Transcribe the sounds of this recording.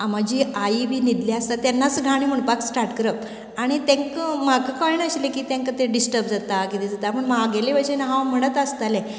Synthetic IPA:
amad͡ʑiːaiːbiːnid̪liast̪at̪janːat͡sɡʱaɽ̃iːm̤əɳpaksʈaɾʈkəɾəp | aɽ̃it̪ẽŋkəmakəkaɭinəɕlekiːt̪ẽŋkət̪eɖisʈəɾb̚d͡zat̪akit̪id͡zat̪apəɳmaɡeleʋəɕenɦãwm̤əɽ̃ət̪əst̪alẽ

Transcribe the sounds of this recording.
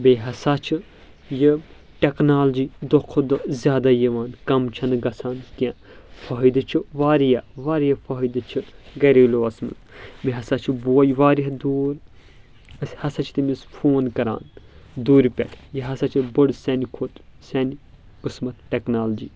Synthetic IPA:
beɦɐsaːt͡ʃʰɨ | jɨ | ʈeknaːld͡ʒiːd̪okʰːod̪ozʲjaːd̪ajiʋaːnkɐmt͡ʃʰɐnɡɐsʰaːnkãː | fʰɐɦid̪ɨt͡ʃʰɨʋaːɾijɐʋaːɾijɐfʰɐɦid̪ɨt͡ʃʰɨɡɐɾeːloːɐsmɨ̰t̪beɦɐsaːt͡ʃʰiboːɐjʋaːɾiɦd̪oːɾ | ɐsʲhɐsɐt͡ʃʰt̪imisfʰoːnkɐɾa̰ːn | d̪uːɾpʲɛ̰tʲʰjiɦɐsat͡ʃʰɨbɨɽsʲɐnikʰot̪sʲɐni | kɨsmɐt̪ʈeknaːld͡ʒiː

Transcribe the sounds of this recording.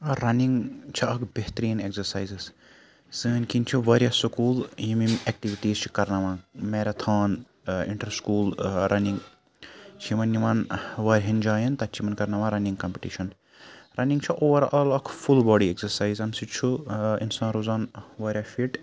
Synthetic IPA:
ɐɾɐniŋɡt͡ʃʰɐɐkbeht̪ɾiːnekzɐɾsaːjziz | sɨːnkint͡ʃʰuʋɐːɾʲjaːsukuːljimimek̚ʈiʋiʈiːzt͡ʃʰi̥kɐɾnɐʋãːmeːɾɐt̪ʰaːn | ḭɳʈɐɾskuːlɾʔɐniŋɡ | t͡ʃʰimɐnːiʋaːnʋɐːɾʲɦɐnd͡ʒaːjɐnt̪ɐt͡ʃʰimɐnkɐɾnɐʋãːɾɐnĩŋɡkɐmpiʈiʃɐn | ɾɐniŋɡt͡ʃʰuʔoːʋɐɾaːlɐkʰfulbɔːɖieksɐɾsaːjzɐmsit͡ʃʰuḭnsãːnɾuzaːnʋɐɾʲjaːfiʈ

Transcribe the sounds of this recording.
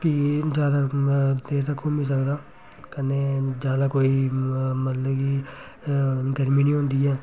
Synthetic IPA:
kid͡ʒjaːd̪ad̪eːɾt̪əkʰuːmĩːs̬əkd̪aː | kəneːd͡ʒjaːd̪aːkoːiːmət̪ləbkiː | ɡəɾmĩːnĩːɦõːnd̪iːɦɛː

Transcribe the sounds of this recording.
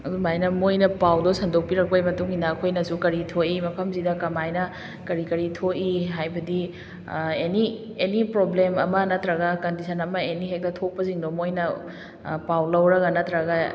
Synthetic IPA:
ɐdumajnɐmojnɐpawdosɐndok̚piɾɐk̚pɐjmɐtuŋinakʰojnɐsukɐɾitʰoimɐpʰɐmzidɐkɐmajnɐ | kɐɾikɐɾitʰoʔiɦajbɐdi | eni | enipɾoblemɐmɐnɐtɾɐɡɐkɐndisʰɐnɐmɐeniɦek̚tɐtʰok̚pɐziŋdomojnɐ | pawlɐwɾɐɡɐnɐt̪ɾɐɡɐ

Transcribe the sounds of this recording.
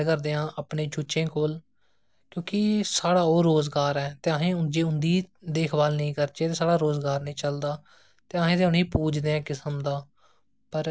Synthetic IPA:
kəɾd̪eːãːʔəpɳẽːt͡ʃʰʊʃẽːkoːl | kjõːkɪsaːɽaːoːɾoːzɡaːɾɛːt̪eːaːɦẽːʊnd͡ʒeːʊnd̪iːd̪eːkʰbaːlnəĩːkəɾt͡ʃeːt̪eːsaːɽaːɾoːzɡaːɾnəĩːt͡ʃəld̪aː | t̪eːaːɦẽːd̪eʊniːpuːd͡ʒd̪eːãːkɪsəmd̪aː | pəɾ

